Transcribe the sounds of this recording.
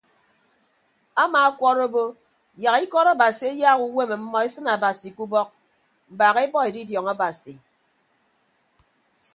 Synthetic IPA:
a˦maː˨a˦kʷɔ˦ɾo˦bo˦ | ja˨ɣi˦kɔ˦ɾa˦˨ba˨si˨e˦jaː˦ɣu˦we˦me˨m̩˦mɔ˦e˦sɨ˦na˨ba˨si˨ku˦bɔ˦k̚ | m̩˨baː˨ɣe˦bɔ˦e˨di˦djɔ˨ŋa˦ba˨si˨

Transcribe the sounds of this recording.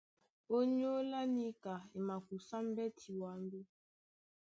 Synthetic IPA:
o˦ɲo˦la˦ni˦ka˨i˨ma˨ku˨sa˦m̩˦bɛ˦tʰi˨wa˨˦n˦du˦

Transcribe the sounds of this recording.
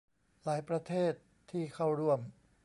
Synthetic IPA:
laː˩˦jpɾa˧t̪ʰeː˥˩t̪ʰːiː˥˩kʰa˥˩wɾu˥˩əm

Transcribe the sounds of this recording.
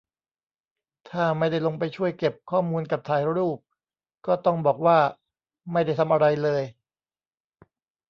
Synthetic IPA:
t̪ʰaː˥˩ma˥˩jda˥˩jlo˧ŋpa˧jt͡ɕʰu˥˩əjke˨˩p̚kʰɔː˥˩muː˧nka˨˩p̚t̪ʰaː˧˩jɾuː˥˩p̚ | kɔː˥˩t̪ɔ˥˩ŋbɔː˨˩k̚waː˥˩ | ma˥˩jda˥˩jt̪ʰa˧mʔa˧ɾa˧jlɤː˧j

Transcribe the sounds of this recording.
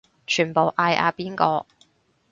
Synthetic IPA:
t͡ʃʰyː˨˩npo˨wʔaː˧jʔa̰ː˧piː˥nkɔː˧

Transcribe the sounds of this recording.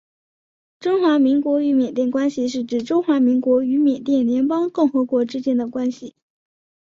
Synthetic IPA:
ʈ͡ʂʊ˥ŋxwa˧˥mi˧˥ŋkwɔ˧˥y˧˥mjɛ˨˩nt̪jɛ˥˩nkwa˥nɕi˨ʂ̬ɻ̩˥˩ʈ͡ʂɻ̩˨˩ʈ͡ʂʊ˥ŋxwa˧˥mi˧˥ŋkwɔ˧˥y˧˥mjɛ˨˩t̪jɛ˥˩nljɛ˧˥npɑ˥ŋkʊ˥˩ŋxɤ˧˥kwɔ˧˥ʈ͡ʂɻ̩˥t͡ɕjɛ˥nd̪ə˨kwa˥nɕi˨˩

